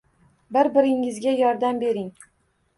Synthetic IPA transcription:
bɪɾbɪɾɪŋɪzɡʲajɒɾd̪ambe̞ɾɪŋ

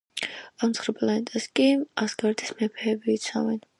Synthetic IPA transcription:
amt̪ʰχɾɛpʼlanɛt̪ʼɛskʼiasɡaɾd̪ismɛpʰɛːbiːt̪sʰa̰vɛn

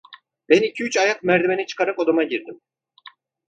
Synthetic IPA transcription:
b̥ænicʰiyt͡ʃajak̚mæɾd̪ibenit͡ʃʰɯ̥kʰaɾakod̪amaɟiɾd̪im

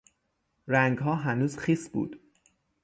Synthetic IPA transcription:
ɾæŋɡɦɒːɦænuːz̥xiːsbṵːd̪̥

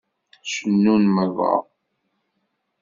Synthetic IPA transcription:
sənːunməvɑ̰

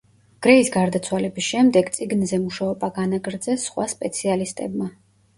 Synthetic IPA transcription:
ɡ̥ɾɛisɡaɾd̪at̪sʰwalɛbisʃɛmd̪ɛɡt̪sʼiɡnzɛmuʃaɔbaɡanaɡɾd̪zɛsːχwaspʼɛt̪sʰialist̪ʼɛ̰bma

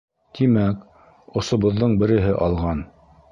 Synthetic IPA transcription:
t̪imæk | ŏsŏβɤ̆ðːɤɴbɘ̆ɾɘ̆ɦɘʔɑlˠʁɑn

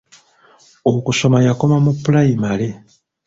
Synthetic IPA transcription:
okuso̞majako̞mamupulajimale

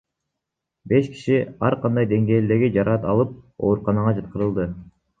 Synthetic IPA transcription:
be̞ʃki̥ʃiɑɾqʰɑnd̪ɑjd̪e̞ŋɡe̞ːld̪e̞ɾɡid͡ʒɑɾɑt̪ɑlˠɯp̚o̞ːɾuqɑnɑʁɑd͡ʒɑt̪̚qɯɾɯlˠd̪ɯ

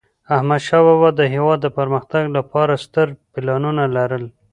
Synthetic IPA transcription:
ahmad̪ʃɑwabad̪ːəɦewɑd̪ːəpəɾməxt̪aɡlapɑɾast̪əɾpɪlɑnunalaɾəl

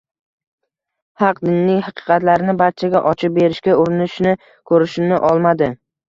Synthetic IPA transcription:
hɑqd̪ɪnːɪŋhɑqʰɨ̥qɑt̪laɾɪnɪbaɾt͡ʃʰaɡʲaʔɒt͡ʃʰɪp̚beɾɪʃkʲaʊɾɪnɪʃnɪ | kʰɵɾɪʃɪmnɪʔɒlˠmad̪ɪ

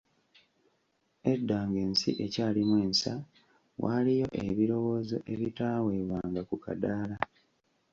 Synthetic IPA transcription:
edːaːŋɡe̞ːnsḭʔe̞caːlimwe̞ːnsa | wʔa̰ːlijo̞ʔḛβiɾo̞wo̞ːzo̞̰ʔe̞βitaːwe̞βwaːŋɡakuka̰daːla

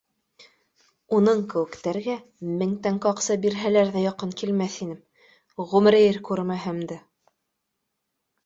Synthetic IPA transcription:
unɤɴkɘ̆wɘ̆kt̪æɾɡæ | mɘ̆ŋt̪æŋkɑqsɤbiɾɦælæɾðæjɑqɤŋkilmæθinɘm | ʁʉmɾɘjɘɾkʉɾmæɦɘmd̪ɘ

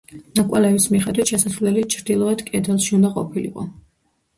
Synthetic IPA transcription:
nakʼalɛvismiχɛd̪wit̪ʰʃɛsasvlɛlit͡ʃʰɾd̪ilˠɔɛd̪kʼɛd̪ɛlˠʃiund̪aqʼɔ̰pʰilḭqʼɔ̰

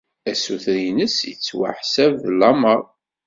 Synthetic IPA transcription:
æsuθɾinəsjət͡sːwa̰ħsævlːɑməɾˤ

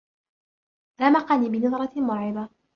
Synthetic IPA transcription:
ɾamɑqɑniːbɪnɑðˤɾˤɑmʊɾʕɪba

